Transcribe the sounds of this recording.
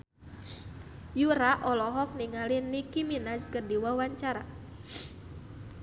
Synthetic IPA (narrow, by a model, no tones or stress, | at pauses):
juɾaʔɔlɔɦɔk̚niŋalinːikiminaskərdiwawaɲt͡ʃaɾa